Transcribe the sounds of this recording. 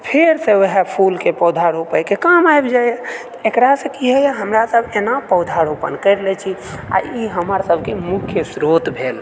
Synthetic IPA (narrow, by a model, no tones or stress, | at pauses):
pʰeɾsẽoɦapʰulkepəwd̪ʱaɾopəjkekamajbd͡ʒajt̪ekɾasə̃kiɦɛjaɦəmɾasəbʱenapəwd̪ʱaɾopə̰nkəɪɾlɛt͡ʃʰia̰iɦəməɾsəbʱkemukʰjəsɾot̪bʱel